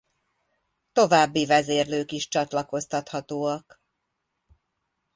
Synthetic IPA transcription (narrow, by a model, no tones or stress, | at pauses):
t̪o̞vaːbːivɛzeːrløːkiʃt͡ʃɒt̪lɒko̞st̪ɒt̪hɒt̪oːɒk